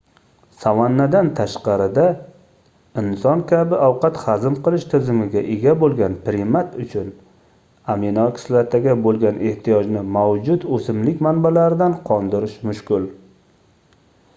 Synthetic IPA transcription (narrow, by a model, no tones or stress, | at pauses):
savanːad̪ant̪ʰaʃqɑɾɪd̪a | ɪnsɒnkʲʰabɪawqʰɑt̪χazɪmqʰɨlˠɪʃt̪ʰɪzɪmɪɡʲaʔeɡʲabolˠɡʲanpɾɪmat̪ʊt͡ʃʰʊn | amenɒkʲʰɪ̥slat̪ʰaɡʲabolˠɡʲanʔe̞ht̪ʰijɒd͡ʒnɪmawd͡ʒʊd̪ɵsɪmlɪkʲmanbalaɾɪd̪anqʰɒnd̪ɪɾɪʃmʊʃkʲʊlˠ